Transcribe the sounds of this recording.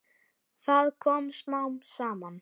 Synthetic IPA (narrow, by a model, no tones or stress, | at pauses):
θaðkʰɔːmsmawnsaːman